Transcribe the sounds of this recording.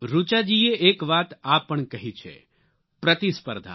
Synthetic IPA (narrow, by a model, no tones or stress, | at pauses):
ɾut͡ʃad͡ʒieʔekʋat̪apːəɳkəɦit͡ʃʰḛ | pɾət̪ispə̰ɾd̪ʱa̰